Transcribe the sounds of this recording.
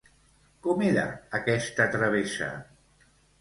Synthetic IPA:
kɔmeɾə̰ːkɛst̪ət̪ɾɐβ̞esɐ̰

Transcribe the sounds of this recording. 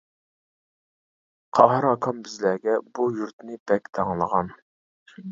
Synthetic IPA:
qʰɑɦɑɾɑkʰɑmbɪzlæɡʲɛbujuɾt̪nɪbɛkʲt̪ʰɑŋlˠəʁɑn

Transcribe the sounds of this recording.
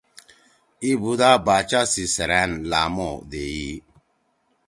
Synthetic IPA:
ibudabat͡ʃasisɛɾɛnlamɔdeji

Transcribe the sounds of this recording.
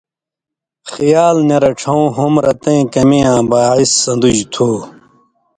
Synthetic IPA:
xijaːlnɐɾɐʈ͡ʂʰɐũːɦumɾɐt̪ẽːkɐmeːãːbaːisːɐ̃nd̪ud͡ʑt̪ʰuː

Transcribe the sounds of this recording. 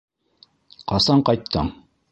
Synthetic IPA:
qɑsɑɴqɑjt̪ʰːɤ̰ɴ

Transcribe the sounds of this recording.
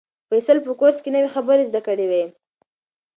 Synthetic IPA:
fesəlpəkoɾskenəwexabəɾezd̪akəɽewe

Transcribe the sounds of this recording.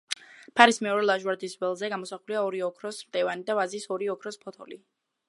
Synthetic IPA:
pʰaɾismɛɔɾɛlˠaʒwaɾd̪isvɛlˠzɛɡamɔsaχuliaɔɾiɔkʰɾɔsmd̪̥ɛvanid̪avazisɔɾiɔkʰɾɔspʰɔt̪ʰɔli

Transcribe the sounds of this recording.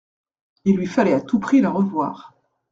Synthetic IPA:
ilːɥifalɛat̪upχiləʁəvwa̰ːʁ

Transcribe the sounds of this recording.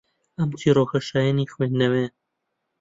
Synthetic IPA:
ɐmt̪ʰiroxɐʃaːjanixweːnːɐwe

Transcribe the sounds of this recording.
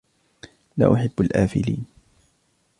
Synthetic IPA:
la̰ːʔʊħɪbːalʔaːfɪliːn

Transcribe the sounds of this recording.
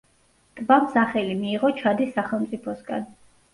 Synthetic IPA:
t̪ʼbamsaχɛlimiːʁɔt͡ʃʰad̪isːaχɛlˠmt̪sʼipʰɔsɡa̰n

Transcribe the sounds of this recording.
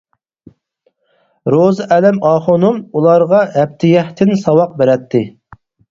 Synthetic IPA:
ɾozɨʔɛlɛmɑːχonumulˠɑɾʁɑɛp̚t̪ʰɪjɛht̪ʰɪnsɑwɑq̚bɪɾɛt̪ʰːɪ

